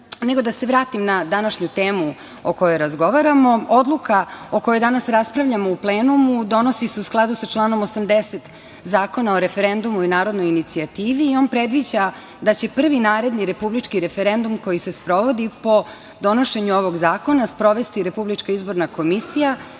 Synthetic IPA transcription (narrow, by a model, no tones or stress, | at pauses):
neɡo̞d̪ase̞ʋɾaːt̪imnad̪anaʃɲut̪e̞ːmu | oko̞joɾazɡo̞ʋaɾamo̞od̪lˠukʰao̞ko̞jod̪anasɾaspɾaʋʎamo̞upleːnumud̪o̞no̞siseusklˠad̪usat͡ʃlˠaːno̞mosamd̪eset̪ | zaːko̞naoɾe̞feɾend̪umuinaːɾo̞d̪no̞jinit̪siat̪iːʋiːo̞ːnpɾe̞d̪ʋid͡ʑa | d̪at͡ɕe̞pr̩ʋinaːɾe̞d̪niɾe̞publit͡ʃkiɾe̞fe̞ɾe̞nd̪umko̞jise̞spɾo̞ʋo̞d̪ipo̞ | d̪o̞no̞ʃe̞ɲuo̞ʋo̞ɡzaːko̞naspɾo̞ʋe̞st̪iɾe̞publit͡ʃkaizbo̞ɾnako̞misija